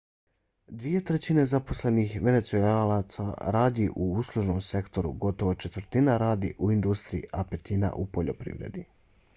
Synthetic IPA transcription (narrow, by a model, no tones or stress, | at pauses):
d̪ʋije̞t̪ɾe̞t͡ɕine̞zapo̞slenixʋe̞ne̞t̪sualat̪sa̰ɾaːd̪iʔuuslˠuʒnomse̞kt̪o̞ɾṵɡo̞t̪o̞ʋo̞t͡ʃe̞t̪ʋəɾt̪inaɾaːd̪iʔuind̪ust̪ɾiḭʔape̞t̪ina̰ʔupoʎo̞pɾḭːʋɾe̞̰d̪i